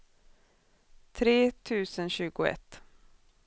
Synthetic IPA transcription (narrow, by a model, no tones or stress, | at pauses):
t̪ʰɾeːt̪ʰʉ̟ːsənɕʉ̟ːɡʊɛ̰t̪ː